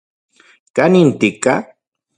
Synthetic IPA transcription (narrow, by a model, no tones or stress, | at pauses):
kanint̪ɪka